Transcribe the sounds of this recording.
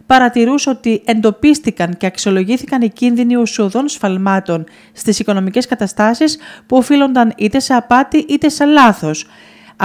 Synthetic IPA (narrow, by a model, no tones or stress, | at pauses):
pɐɾɐt̪iɾuso̞t̪ie̞nd̪o̞pist̪ikɐnce̞ɐksio̞lo̞ʝiθikɐnicinðiniusioðo̞nsfɐlmɐt̪o̞n | st̪isiko̞no̞mice̞skɐt̪ɐst̪ɐsispuo̞filo̞nd̪ɐnit̪e̞se̞ɐpɐt̪iʔit̪e̞se̞lɐθo̞s